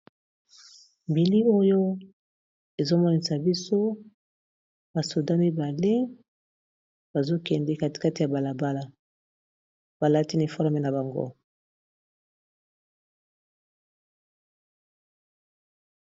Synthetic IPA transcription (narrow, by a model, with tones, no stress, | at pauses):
mbi˨li˦o˦jo˦ | e˨zo˦mɔ˦ni˨sa˨bi˦so˦ | ba˨so˨da˦mi˦ba˨le˦ | b̥a˨zo˦kɛ˨ndɛ˦ka˦tka˦ti˨ja˨ba˨la˨ba˦la˨ | b̥a˨la˦ti˦ni˨fɔ˦ʁmɛ˨na˨ba˨ŋɡo̰˦